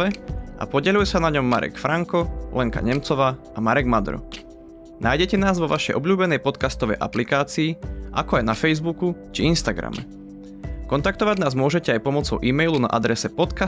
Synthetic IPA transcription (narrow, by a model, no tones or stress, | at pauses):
ɛʔa̰pɔɟɛʎujɛsanaɲɔmːa̰ɾʔɛ̰kfɾaŋkɔlʔɛŋka̰ɲɛmt͡sɔʋaː | amaɾɛɡmad̪ɾɔ̰ | naːjɟɛcɛnaːzʋɔʋaʃɛjʔɔbʎuːbɛnɛjpɔt̪kast̪ɔʋɛ̰jʔa̰plikaːt͡siːʔa̰kɔajnafɛjzbukut͡ʃiinst̪aɡɾa̰mɛ̰ | kɔnt̪akt̪ɔʋaɟnaːzmʊɔʒɛcɛajpɔmɔt͡sɔʊʔiːmɛjluna̰ʔad̪ɾɛsɛpɔt̪ka